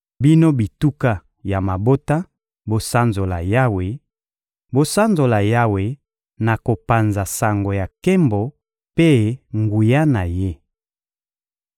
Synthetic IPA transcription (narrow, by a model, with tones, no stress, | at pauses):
bi˦no˦bi˨tu˦ka˦ | ja˨ma˨bo˦ta˦ | bo˨sa˦nzo˨la̰˨ja˦we˨ | bo˦sa˦nzo˨la˨ja˦we˨ | na˨ko˨pa˨nza˨sa˨ŋɡo˨ja˨ke˦mbo˨ | pe˦ŋɡu˨ja˦na˨je˦